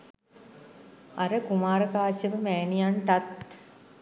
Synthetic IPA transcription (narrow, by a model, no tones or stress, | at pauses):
ɐɾəkumaːɾəkaːsəʋəmæːnijaɳʈ̪at̪